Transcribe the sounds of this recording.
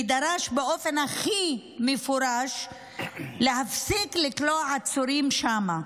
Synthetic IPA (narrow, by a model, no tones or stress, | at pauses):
id̪aɾaʃbeʔofenaχi | mefuɾaʃ | leɦafsiklikloaʕat͡suɾimʃama